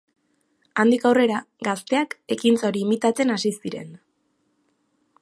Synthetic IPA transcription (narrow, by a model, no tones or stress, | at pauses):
and̪ikawre̞ɾaɡast̪e̞ake̞kint͡soɾiːmit̪at͡se̞nasisiɾe̞̰n